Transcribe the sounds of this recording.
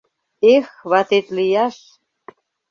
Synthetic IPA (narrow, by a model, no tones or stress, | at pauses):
exβɑt̪et̪lijɑʃ